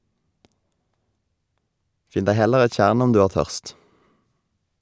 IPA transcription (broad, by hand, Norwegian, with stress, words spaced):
ˈfɪn ˈdæɪ ˈhɛləʁ ˈɛt ˈc͡çjæːʁɳ ˈɔm ˈdʉː ˈæːʁ ˈtœʁst